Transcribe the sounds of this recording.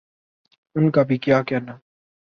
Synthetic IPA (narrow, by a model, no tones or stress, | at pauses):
ʊnkaːbʱikjaːkɛːnaː